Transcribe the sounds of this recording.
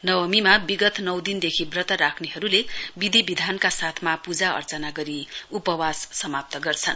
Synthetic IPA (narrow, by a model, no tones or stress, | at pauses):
nʌwʌmimabiɡʌt̪nʌwd̪ind̪ekʰibrʌt̪aɾakʰneɦʌɾulebid̪ʱibid̪ʱankasat̪ʰmapud͡zaʌ̰rt͡sʌnaɡʌɾiupʌwasːʌmap̚t̪ʌɡʌrt͡sʰʌn